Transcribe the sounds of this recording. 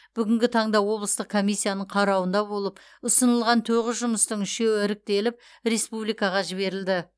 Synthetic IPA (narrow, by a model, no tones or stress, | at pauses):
b̥ʏɡʲɪŋɡʲɪt̪ʰɑɴd̪ɑwo̞blˠəst̪əq̚kʰːo̞mijsʲːijanəɴqʰɑɾɑwənd̪ɑbo̞lˠəp | ʊsənəlˠʁɑnt̪ʰoʁɪsʒʊməst̪əɴɪʃewɪɪɾɪk̚t̪e̞lɪp̚ | ɾe̞spublijkɑʁɑʒɪβe̞ɾɪld̪ɪ